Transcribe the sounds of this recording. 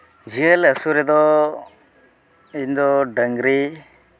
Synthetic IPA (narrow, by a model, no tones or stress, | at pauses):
d͡ʒiələsuɾɛd̪ɔ | ind̪ɔɖəŋɡɾi